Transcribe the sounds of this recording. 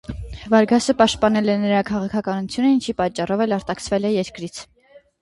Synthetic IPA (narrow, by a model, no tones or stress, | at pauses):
vɑɾɡɑsəpɑʃt̪̚pɑnɛlɛnəɾɑkʰɑʁɑkʰɑkɑnut͡sʰjunəint͡ʃʰipɑt͡ʃːɑrɔvɛlɑɾt̪ɑkt͡sʰvɛlɛjɛɾkɾit͡sʰ